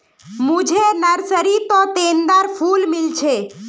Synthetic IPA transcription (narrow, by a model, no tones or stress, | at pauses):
mũd͡ʒʱenəɾsəɾit̪ɔt̪end̪aɾfʰulmɪlt͡ʃʰe